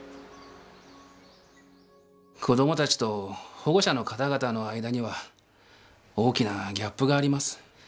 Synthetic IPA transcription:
kʰo̞d̪o̞mo̞t̪at͡ɕi̥t̪o̞ho̞ɡo̞ɕano̞kat̪aɡat̪ano̞aid̪aɲ̟iβa | o̞ːkʲinaɡʲapːɯ̟ɡaːɾʲimasɨ̥

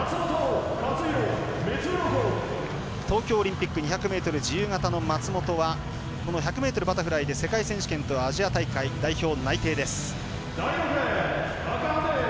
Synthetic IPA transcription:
t͡smot̪okat͡sɨjomet͡sɨɾoho | t̪o̞ːkʲo̞ːɾʲĩmpʲikːɯɲ̟içakɯ̟me̞ːt̪o̞ɾɯ̟d͡ʑijɯ̟ːŋat̪ano̞mat͡sɨmo̞t̪o̞βa | ko̞no̞çakɯ̟me̞ːt̪o̞ɾɯ̟bat̪aɸɯ̟ɾaid̪e̞se̞kaisẽ̞ɰ̃ɕi̥kẽ̞nt̪o̞βaːʑiat̪aikaid̪aiço̞ːnait̪e̞ːd̪e̞sɨ̥ | d̪̥ajɸɯɾa | akand̪e

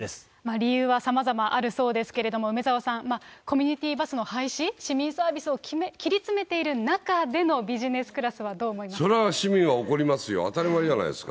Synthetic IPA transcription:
es | maɾʲijɯːβasamazamaʔaɾɯ̟so̞ːd̪e̞sɨ̥ke̞ɾe̞d̪o̞mo̞ɯ̟me̞zaosãŋmako̞mʲiɲ̟it̪ʲiːbasɨno̞haiɕiɕimʲĩɰ̃saːbʲisɨo̞kmekʲiɾʲit͡sɨme̞t̪e̞iɾɯ̟nakad̪e̞no̞bʲiʑine̞sɨ̥kɯ̟ɾasɨβad̪o̞ːmo̞imaso̞ɾeɕimʲĩŋɡaoko̞ɾʲimasɨjo̞̰a̰t̪aɾʲimaɾʲiʑana̰ḭesɨ̥ka̰

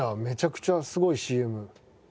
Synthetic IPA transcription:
ame̞t͡ɕakɯ̟̥t͡ɕasɨɡo̞iɕiːe̞mɯ̟

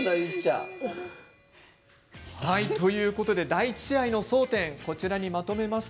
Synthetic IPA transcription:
nait͡ɕːa̰ | hait̪o̞jɯ̟ːko̞t̪o̞d̪e̞d̪ait͡ɕiaino̞so̞ːt̪ẽ̞ŋko̞t͡ɕiɾaɲ̟imat̪o̞me̞mas

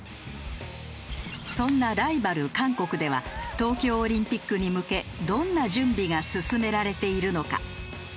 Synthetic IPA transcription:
sõ̞nːaɾaibaɾɯ̟kãŋko̞kɯ̟d̪e̞βa̰t̪o̞ːkʲo̞ːɾʲĩmpʲikːɯɲ̟imɯ̟ke̞d̪õ̞nːaʑɨ̃mbʲiɡasɨsɨme̞ɾaɾe̞t̪e̞iɾɯ̟no̞ka̰

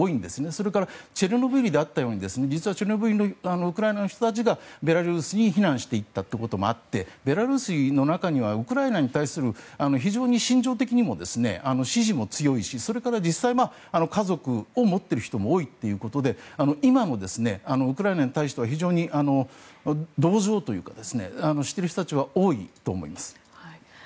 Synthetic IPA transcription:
oːĩnd̪e̞sɨne̞so̞ɾe̞kaɾat͡ɕeɾɯno̞bɯɾʲid̪e̞at̪ːajo̞ːɲid̪e̞sɨne̞d͡ʑit͡sɨβat͡ɕe̞ɾɯnobɯɾinoano̞ɯkɯɾaenano̞çi̥t̪ot̪at͡ɕiɡabe̞ɾaɾɯ̟ːsɨɲ̟içinãɰ̃ɕi̥t̪e̞it̪ːat̪ːeko̞t̪o̞mo̞̰a̰t̪ːe̞be̞ɾaɾɯ̟ːsɨno̞nakaɲ̟iβ̞aɯkɯ̟ɾaenaɲ̟it̪aisɨɾɯ̟ano̞çiʑo̞ːɲ̟iɕĩɲ̟d͡ʑo̞ːt̪̬e̞kʲiɲ̟imo̞d̪e̞sɨne̞̰ano̞ɕiʑimo̞t͡sɨjo̞iɕiso̞ɾe̞kaɾad͡ʑisaima | ano̞kazo̞kɯ̟o̞mo̞t̪ːe̞ɾɯ̟çi̥t̪o̞mo̞oːit̪ːe̞jɯ̟ːko̞t̪o̞d̪e̞ano̞ʔimano̞d̪e̞sɨne̞ano̞ɯkɯ̟ɾaenaɲ̟it̪aiɕt̪eaçiʑo̞ːɲ̟iʔano̞ | d̪o̞ːʑo̞ːt̪o̞jɯ̟̰ːkad̪e̞sɨne̞̰ano̞ɕi̥t̪ːe̞ɾɯ̟çt̪ot̪at͡ɕiβ̞ao̞ːḭt̪o̞ːmo̞̰ḭmasɨ̥ | ha

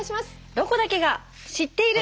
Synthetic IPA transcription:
ɕias | d̪o̞ko̞d̪ake̞ɡa | ɕit̪ːe̞iɾɯ̟

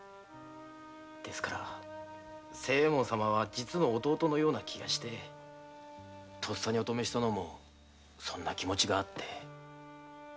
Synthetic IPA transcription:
d̪̥e̞sɨ̥kaɾa̰ | se̞ːmõsamaβ̞ad͡ʑit͡sɨno̞ːt̪o̞ːt̪o̞no̞jo̞ːnakʲʰiɡa̰ɕi̥t̪e̞ | t̪ʰo̞sːaɲ̟io̞t̪o̞me̞ɕi̥t̪ano̞mo̞ | sõ̞nːakʲimo̞t͡ɕiɡaːt̪ʰːe̞

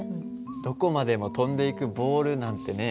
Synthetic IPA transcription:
d̪̥o̞ko̞mad̪e̞mo̞t̪õ̞nd̪e̞ikɯ̟bo̞ːɾɯ̟nãnt̪e̞ne̞

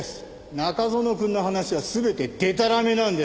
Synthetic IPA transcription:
sɨ̥ | nakazo̞no̞kɯ̟̃nːo̞ɦanaɕiβ̞asɨbe̞t̪e̞d̪̥e̞t̪̬aɾame̞nãɯ̃nd̪e

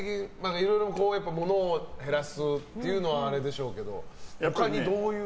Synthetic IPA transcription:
ekʲiɲmakaiɾo̞jɾo̞ko̞ːjapːamo̞no̞ːhe̞ɾasɨt̪ːe̞jɯ̟no̞β̞aːɾe̞d̪e̞ɕo̞ːke̞d̪o̞̰japːaɾʲid̪oːjɯ

